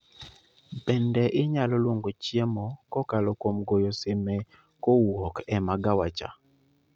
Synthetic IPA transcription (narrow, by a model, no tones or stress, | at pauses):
bɛndɛʔɪɲalɔlwoŋɡot͡ʃjemɔkɔkalɔkomɡojosemɛ | kowɔkɛmaɡawat͡ʃa̰